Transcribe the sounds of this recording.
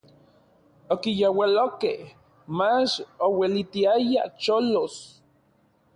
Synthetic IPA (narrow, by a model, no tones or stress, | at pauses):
okijowalokeh | mat͡ʃowelit̪iajat͡ʃolos